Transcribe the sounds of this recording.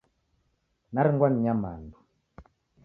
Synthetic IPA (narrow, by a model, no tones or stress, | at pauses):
naɾiŋɡwaniɲama̰ndu